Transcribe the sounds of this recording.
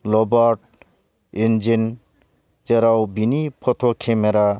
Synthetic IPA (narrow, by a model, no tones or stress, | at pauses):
lɔbaɾʈ̚ | ind͡ʒin | t͡ʃeɾawbinipʰɔt̪ʰokʰemeɾa